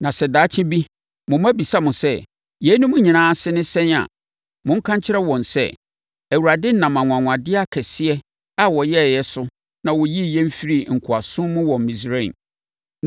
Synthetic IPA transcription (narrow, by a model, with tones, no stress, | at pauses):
nã˨sɛ˨daː˨˦t͡ɕʰɪ̃˦bi˦ | mʊ̃˨m˦æ˦bi˨sa˦mʊ̃˨sɛ˦ | jɛ˨˦nʊ̃˦mʊ̃˦ɲĩ˨nãː˦sɪ˦nʊ̃˦sɛ̃˦n˦a̰˨ | mʊ̃˦ŋ̩˦kʰã˦ɲt͡ɕʰɪ˦ɾɛ˦wɔ̃˨n˨sɛ̰˦˨ | æ˨wu˨ɾa˨dɪ˦n̩˦nã˨m˨ã˨ŋʷ˨ã˨ŋʷ˨ã˨dɪ˦a˦kʰɛ˨sɪ˦ɛ˦ | a˨wɔ˨jɛ˦˨jɛ˦sʊ˦ | nã˨wɔ˨ji˦˨jɛ̃˦m̩˦fi˦ɾi˦˨ŋ̩˨kʰʊ˨a˨sʊ̃˦mʊ̃˦wɔ̃˨mː˨mĩ˨s̬ɾẽ˦˨n